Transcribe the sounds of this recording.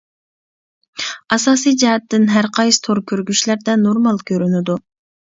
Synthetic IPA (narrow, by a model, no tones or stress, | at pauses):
ɑsɑːsijd͡ʒɑɦɛt̪ːɪnɦæɾqʰɑjsɨ̥t̪ʰoɾkʲʰøɾɡʲyʃlæɾd̪ɛnoɾmɑlˠkʲʰøɾynyd̪u